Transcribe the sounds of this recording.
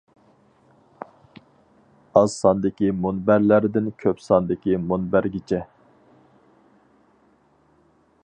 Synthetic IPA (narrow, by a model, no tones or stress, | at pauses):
ɑzsɑnd̪ɪkʲimonbæɾlæɾd̪ɪnkʲʰøpsɑnd̪ɪkʲimonbæɾɡʲit͡ʃʰɛ